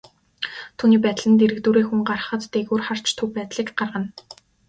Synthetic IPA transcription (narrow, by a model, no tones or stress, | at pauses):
t̪ʰuːniːpæːt̪ɮɘ̆nt̪eɾɘ̆kt̪uːɾiːxuŋɢarə̆χə̆t̪ːeɣuːrχar̥t͡ɕt̪ʰɵwpæːt̪ɮiːkɢarʁə̆n